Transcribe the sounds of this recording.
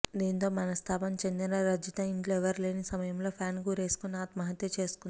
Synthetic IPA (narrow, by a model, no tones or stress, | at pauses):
d̪iːnt̪o̞ːmɐnɐst̪ʰaːpɐmt͡ʃe̞nd̪inɐɾɐd͡ʒit̪ɐiɳʈlɛʋɐɾleːnisɐmɐjɐmlo̞ːpʰjaːnkuːɾe̞ːsu̥kunːaːt̪mɐɦɐt̪jɐt͡ʃeːsu̥kuni